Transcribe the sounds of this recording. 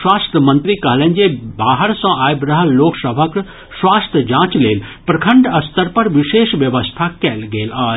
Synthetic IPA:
ʃwaːst̪ʰjəmɐ̃nt̪ɾikɐɦlẽːnd͡ʒebaːɦəɾsɐ̃aːjbɾɐɦəlloːksəbʱək | swaːst̪ʰjəd͡ʒãːt͡ʃleːlpɾɐkʰə̃ɳɖɐst̪əɾpɐɾʋɪʃeːʃʋjəʋəst̪ʰakɛːlɡeːlaː

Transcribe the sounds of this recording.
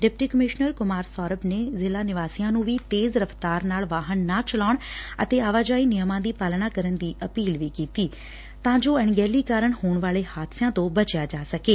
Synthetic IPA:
ɖɪp̚ʈiːkəmɪʃnəɾkʊmaːɾsɔːɾəbneːzɪlaːnɪʋaːsijãːnũːʋiːt̪eːzɾəft̪aːɾnaːlʋaːɦənːaːt͡ʃəlaːɳə̰t̪eːaːʋaːd͡ʒaːiːnɪjəmãːd̪iːpaːlnaːkəɾənd̪iːʔəpiːlʋiːkiːt̪iː | t̪ãːd͡ʒoːɛɳɡɛːliːkaːɾəɳhoːɳʋaːleːhaːd̪sjãːt̪õːbət͡ʃjaːd͡ʒaːsəkeː

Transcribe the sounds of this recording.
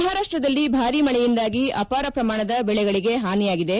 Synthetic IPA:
ɦaːɾaːʂʈɾɐd̪ɐlːibʱaːɾimɐɭɛjind̪aːɡiʔɐ̰paːɾɐpɾɐmaːɳɐd̪ɐbɛɭɛɡɐɭiɡe̞ɦaːnijaːɡid̪e̞

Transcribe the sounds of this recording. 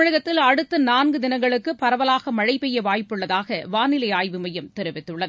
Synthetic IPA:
ɻɐɣɐt̪ːɪlɐɽɯt̪ːɐnaːnɡɯd̪ɪnɐŋɡɐɭɯkːɯpːɐɾɐʋɐlaːɣɐmɐɻɐɪpːɛjːɐʋaːjpːɯɭːɐðaːɣɐʋaːnɪlɐɪaːjʋɯmɐjɐmt̪ɛɾɯʋɪt̪ːɯɭːɐðɯ

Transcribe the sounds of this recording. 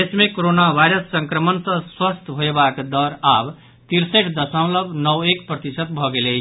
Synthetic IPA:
esmekoɾonabʱajɾəsːəŋkɾəmənsə̃swəst̪ʰbʱoebakd̪əɾab | t̪iɾsəʈʰd̪əsə̃mləbʱnʌwekpɾət̪isət̪̚bʱɔɡele

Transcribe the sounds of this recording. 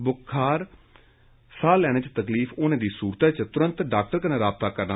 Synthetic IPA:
bʊkʰaːɾ | saːlɛːɽ̃ẽːt͡ʃət̪əkliːfʊnãːd̪iːsuːɾt̪ɛːt͡ʃt̪ʊɾənt̪ɖaːk̚ʈəɾkənẽːɾaːb̚t̪aːkəɾna

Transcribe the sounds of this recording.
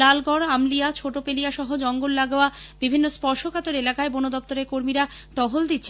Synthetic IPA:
lalɡɔɾamlijat͡ɕʰoʈopelijaʃɔɦod͡ʑɔŋɡolːaɡeoab̥ibʱinːospɔɾʃokat̪oɾelakaebonod̪ɔp̚t̪oɾeɾkoɾmiɾa | ʈɔɦold̪it̪ːɕʰe

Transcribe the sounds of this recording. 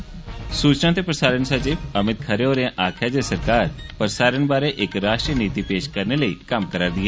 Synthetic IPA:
suːt͡ʃnãːt̪eːpɾəsaːɾəɳsət͡ʃiːpəmɪt̪̚kʰəɾeoːɾãʔaːkʰjaːd̪eːsəɾkaːɾpəɾsaːɾəɳbaːɾeʔɪkɾaːʃʈɾiniːt̪iːpeːʃkəɾneləiːkəmkəɾaːɾd̪ɪɦɛː

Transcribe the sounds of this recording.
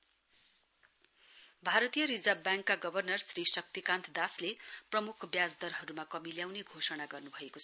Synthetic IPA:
bʱaɾʌt̪ijʌɾid͡zabjaŋkːaɡʌbʱʌrnʌrsrisʌk̚t̪ikãnt̪ʰd̪asleprʌmukʰbjad͡zd̪ʌɾɦʌɾumakʌmiljawneɡʱosʌnaɡʌrnubʱʌekot͡sʰʌ

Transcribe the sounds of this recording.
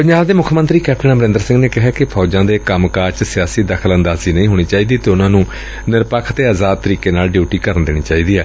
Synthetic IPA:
pəɲd͡ʒaːbd̪eːmʊkʰmə̃nt̪ɾiːkɛːpʰʈənãːbəɾɪ̃nd̪əɾsɪ̃ŋɡneːkɪɦɛːkɪpʰɔːd͡ʒãːd̪eːkəmkaːt͡ʃsɪjaːsiːd̪əkʰələnd̪aːziːnəĩːɦoːɽ̃iːt͡ʃaːiːd̪iːt̪eːʊnãːnũː | nɪɾpəkʰt̪eːaːzaːd̪̚t̪əɾiːkeːnaːlɖjuːʈiːkəɾənd̪eːnḭːt͡ʃaːiːd̪iːɛː

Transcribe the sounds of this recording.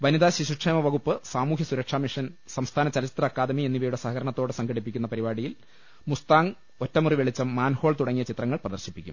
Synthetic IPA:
ʋɐniðaːɕiɕuʈʂeːmɐʋɐɣupːɨsaːmuːkʰjɐsuɾɐkʂaːmiʂɐnsɐmst̪ʰaːnɐt͡ɕɐlɐt͡ɕit̪rɐːkːaːd̪ɐmienːiʋɐjuɽe̞sɐɦɐkʰɐɾɐɳɐt̪ːo̞ːɽɨsɐŋɡʱɐɽipːikʲːunːɐpɐɾibaːɽijil | must̪aːŋ | otːɐmuriʋeɭit͡ɕːɐmːaːnhoːɭt̪uɽɐŋːijɐt͡ɕit̪rɐŋːɐɭprɐðɐrɕipːikʲːṵm

